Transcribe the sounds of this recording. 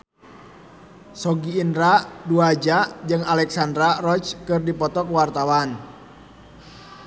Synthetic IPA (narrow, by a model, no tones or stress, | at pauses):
sɔɡiːndɾaduad͡ʒad͡ʒɨŋalɛksandɾarɔt͡ʃkɨrdipɔt̪ɔkwart̪awan